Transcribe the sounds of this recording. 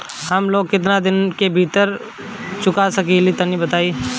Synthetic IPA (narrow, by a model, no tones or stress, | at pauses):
hɐmloːɡ̚kɪt̪nad̪ɪnkebʱiːt̪əɾ | t͡ʃʊkasɐkiːlit̪ɐnibɐt̪aːi